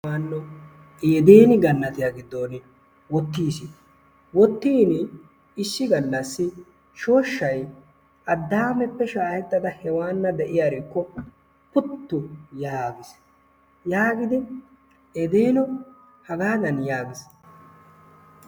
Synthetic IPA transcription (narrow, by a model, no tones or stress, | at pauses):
aːnːɔ | eːd̪e̞ːnɪɡɐnːɐt̪ɪjaɡɪd̪ːoːnɪ | wɔt̪ːiːsi | wɔt̪ːiːnɪ | ɪʃːɪɡɐnːɐsːɪ | ʃo̞ːʃːɐj | ʔɐd̪ːaːmɛpːɛʃaːhɛt̪ːɐd̪ɐhɛwaːnːɐd̪ɛʔɪjaːɾɪkːɔ | pʊt̪ːʊjaːɡɪs | jaːɡɪd̪ɪ | ed̪eːnɔ | hɐɡaːnɐnjaːɡɪs